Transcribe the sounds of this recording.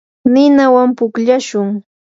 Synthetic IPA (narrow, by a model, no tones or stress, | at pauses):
nɪnawampʊkʎaʃʊŋ